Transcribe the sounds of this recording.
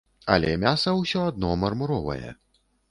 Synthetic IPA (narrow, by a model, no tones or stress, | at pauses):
ɐ̰lʲɛmʲasɐwsʲɔad̪nɔmɐrmuɾɔvɐ̰jɛ̰